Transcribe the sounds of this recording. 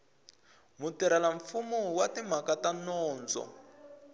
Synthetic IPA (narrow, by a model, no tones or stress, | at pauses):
mutiɾalaɱfumuwatim̤akatanɔːnd͡zɔ̰